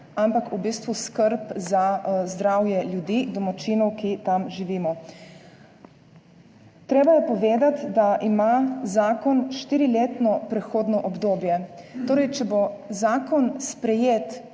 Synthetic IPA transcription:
ampakubist̪ʋuskəɾpzazd̪ɾaːwjɛljud̪id̪ɔmat͡ʃiːnɔwkit̪amʒiʋiːmɔ | t̪ɾeːbajɛpɔʋeːd̪at̪d̪aʔimazaːkɔnʃt̪iːɾileːt̪nɔpɾɛxoːd̪nɔʔɔbd̪oːbjɛt̪oːɾɛjt͡ʃɛbozaːkɔnspɾɛjeːt̪

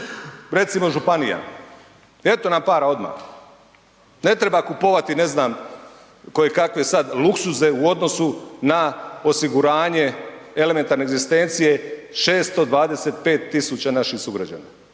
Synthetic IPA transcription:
ɾe̞t̪simo̞ʒupanija̰ | e̞t̪o̞nampaːɾao̞d̪ma̰x | ne̞t̪ɾe̞bakupo̞ʋat̪ine̞znaːm | ko̞jekakʋesad̪luksuze̞uo̞d̪no̞sunao̞siɡuɾaːɲe̞e̞lemet̪aɾneːɡzist̪e̞nt̪sije̞ʃe̞ːst̪od̪ʋaːd̪e̞se̞t̪̚pe̞ːt̪ːisut͡ɕanaʃixsuɡɾad͡ʑa̰ːna

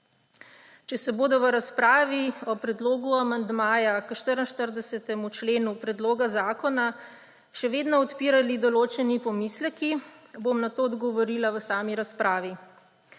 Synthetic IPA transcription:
t͡ʃɛsɛboːd̪ɔʋəɾaspɾaːʋiɔpɾɛd̪loːɡuamand̪maːjakəʃt̪əɾənʃt̪əɾd̪ɛsɛt̪ɛmut͡ʃleːnupɾɛd̪loːɡazaːkɔna | ʃɛʋeːd̪nɔɔt̪piːɾalid̪ɔloːt͡ʃɛnipɔmislɛkibomnat̪oːd̪ɡɔʋɔɾiːlaʋəsaːmiɾaspɾaːʋi

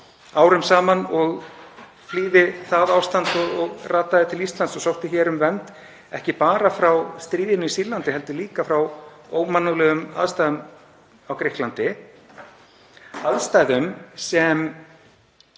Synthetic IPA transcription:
aːwɾʏmsaːmanɔɣ | fliːðɪθaðawst̪ant̪ɔɣɔɣrʔaːt̪aðɪt̪ʰɪlist̪lant̪sɔsowht̪ɪçɛːɾʏmvɛnt̪ | ɛhcɪpaːɾafɾawst̪ɾiːðɪnʏisiːlant̪ɪɦɛlt̪ʏliːkafɾawoːwmanːʏlɛɣʏma̰ðst̪ajðʏm | awkɾɪhklant̪ɪ | aðst̪ajðʏmsɛm

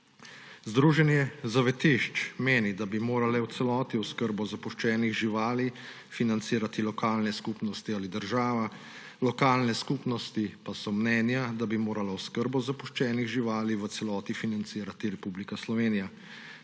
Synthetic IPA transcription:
zd̪ɾuːʒɛnjɛzaʋɛt̪iʃt͡ʃmeːnid̪abimoːɾalɛwt̪sɛlɔːt̪iwskəɾbɔzapɔʃt͡ʃɛːnixʒiʋaːli | finant̪siːɾat̪ilɔkaːlnɛskuːpnɔst̪ialid̪əɾʒaːʋa | lɔkaːlnɛskuːpnɔst̪ipasɔmnɛːnjad̪abimoːɾalawskəɾbɔzapɔʃt͡ʃɛːniɣʒiʋaːliʋət̪sɛlɔːt̪ifinant̪siːɾat̪iɾɛpublikaslɔʋeːnija

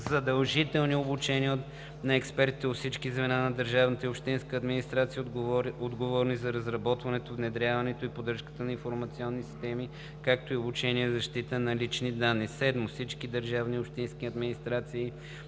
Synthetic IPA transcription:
zɐd̪ɐlˠʒit̪ɛlˠniobut͡ʃɛniə | nɐɛkspɛɾt̪it̪ɛot̪fsit͡ʃkizvɛnanɐd̪əɾʒavnət̪əiopʃt̪inskəːd̪minist̪ɾat̪sijəod̪ɡovɔɾnizɐɾɐzɾɐbɔt̪vɐnɛt̪ovnɛd̪ɾʲjavɐnɛt̪oipod̪ɾəʃkə̥t̪ənɐinfoɾmɐt̪siɔnːisi̥st̪ɛmi | kak̚t̪oiobut͡ʃɛniɛzɐʃt̪it̪ənɐlit͡ʃnid̪anːisɛd̪mofsit͡ʃkid̪əɾʒavniopʃt̪inskiɐd̪minist̪ɾat̪siː

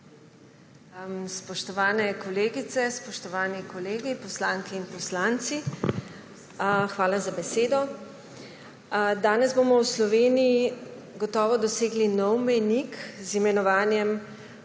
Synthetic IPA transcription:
spɔʃt̪ɔʋaːnɛkɔleːɡit̪sɛspɔʃt̪ɔʋaːnikɔleːɡipɔslaːŋkiːnpɔslant̪si | xʋaːlazabɛseːd̪ɔ | d̪aːnɛzbomɔwslɔʋeːniji | ɡɔt̪ɔːʋɔd̪ɔseːɡlinɔwmɛjnikzimɛnɔʋaːnjɛm

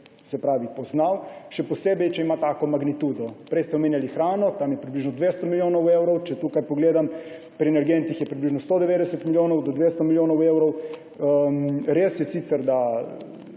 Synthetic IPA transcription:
sɛpɾaːʋipɔznawʃɛpɔseːbɛjt͡ʃɛimat̪aːkɔmaɡnit̪ud̪ɔpɾɛjst̪ɛomeːnjalixɾaːnɔt̪amjɛpɾibliʒnɔd̪ʋeːst̪ɔmiljoːnɔwewɾɔwt͡ʃɛt̪ukajpoɡleːd̪am | pɾʲiɛnɛɾɡent̪ixjɛpɾibliʒnɔst̪od̪ɛʋeːd̪ɛsɛt̪miljoːnɔwd̪ɔd̪ʋeːst̪ɔmiljoːnɔwewɾɔw | ɾeːsjɛsit̪sɛɾd̪a

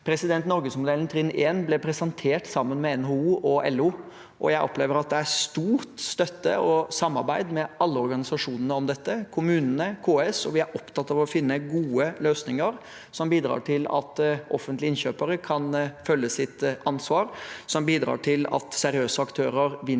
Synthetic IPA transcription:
pʰɾɛsɪd̪ɛnt̪nɔɾɡəsmʊd̪eːlnt̪ʰɾɪnːʔeːnblɛpʰɾɛsɛnt̪ʰeːʈsɑmːənmɛɛnɦouːʔɔʔɛlːuː | ʔɔ̰jæɪʔɔpleːʋəɾɑt̪̚d̪ɛæst̪uːɾt̪st̪œt̪ːə̰ɔsɑmːɑɾbæɪd̪mɛɑlːəɔɾɡɑnɪsɑʂuːnənəɔmd̪ɛt̪ːəkʰʊmʉːnənəkʰoːɛsɔʋɪæɾʔɔpt̪ʰɑt̪ːɑʋɔfɪnːəɡuːəløːsnɪŋəɾ | sɔmbiːd̪ɾɑ̰ːʈʰɪlɑ̰t̪ʔɔfənt̪lɪɪnɕøːpəɾəkʰɑnfœlːəsɪt̪ɑnsʋɑːɾsɔmbiːd̪ɾɑ̰ːʈʰɪlɑ̰t̪sɛɾɪøːsəɑkt̪ʰøːɾəɾʋɪ

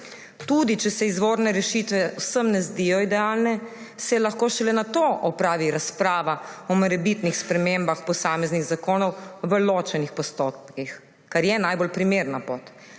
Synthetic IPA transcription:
t̪ud̪it͡ʃɛsɛizʋoːɾnɛɾɛʃit̪ʋɛwsəmnɛzd̪ijɔid̪ɛaːlnɛ | sɛlaxkoːʃɛlɛnat̪oːʔɔpɾaːʋiɾaspɾaːʋaɔmɔɾɛbit̪nixspɾɛmembaxpɔsaːmɛzniɣzakoːnɔwʋəloːt͡ʃɛnixpɔst̪opkix | kaɾjɛnajbolpɾimeɾnapoːt̪

